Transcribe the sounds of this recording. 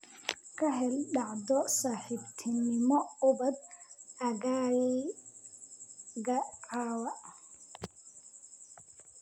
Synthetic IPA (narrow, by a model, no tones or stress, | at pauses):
kʰɐɦɛlɖɑʕd̪ɔsaːħɪbt̪ʰɪnɪmɔʊbɐd̪ɐɣaːji | ɡɐqaːwɐʔ